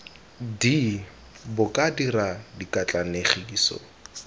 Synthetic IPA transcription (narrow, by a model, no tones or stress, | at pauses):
di | bʊkʼadiradikʼat͡ɬʼaneχiːsɔ̰